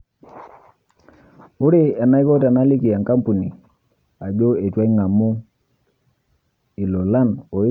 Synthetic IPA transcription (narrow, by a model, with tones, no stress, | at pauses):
ʊ˦ɾi˨ɛ˨na˦i˦ko˦ta˨na˦li˦ki˨a˨ŋka˦mpu˨ni˨ | a˨d͡ʒo˦e˨twa˦i˦ŋa˨mu˦ | i˨lo˨la˦˨no˨˦